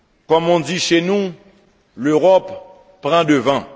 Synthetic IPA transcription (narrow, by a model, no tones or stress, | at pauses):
kɔmɔ̃d̪iʃenu | løʁɔpː | ʁɑ̃d̪əvã